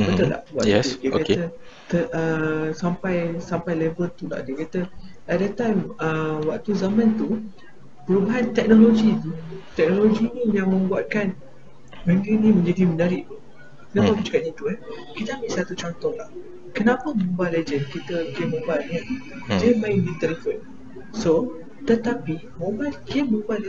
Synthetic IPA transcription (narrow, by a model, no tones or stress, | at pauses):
bət̪əla̰ʔbua̰ʔtudiəkat̪ə | t̪əʔəsampajsampajlɛvəlt̪ula̰ʔdiəkat̪ə | ɛt̚dət̪ajməwak̚t̪uzamãnt̪u | pəɾubaɦant̪ɛk̚noloɡit̪ut̪ɛk̚noloɡinijaŋmə̃mbuat̪̚kan | bə̃nɡinĩmə̃ɲd͡ʒadimənaɾiʔt̪u | kənãpamud͡ʒukaʔɲãt̪uɛ | kit̪əamiʔsat̪ut͡ʃɔnt̪ɔhlah | kənãpamõbaled͡ʒənkit̪əɡemːobalnĩa | d͡ʒamaĩŋdit̪ɛləfən | so | t̪ət̪apimobalɡeməbaʔl